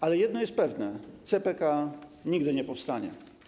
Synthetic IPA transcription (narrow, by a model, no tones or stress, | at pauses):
alɛjɛd̪nɔjɛst̪̚pɛvnɛt̪sɛpɛkaɲiɡd̪ɘɲɛpɔfst̪aɲɛ̰